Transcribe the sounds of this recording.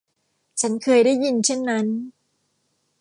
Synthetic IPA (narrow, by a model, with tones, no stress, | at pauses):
t͡ɕʰa˦˥nkʰɤː˧jdaː˥˩ji˧nt͡ɕʰe˥˩nːa˦˥n